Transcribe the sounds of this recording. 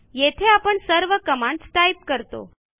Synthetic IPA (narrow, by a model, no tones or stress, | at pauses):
jet̪ʰeapəɳsəɾʋəkəmãɳɖsʈaip̚kəɾt̪o̰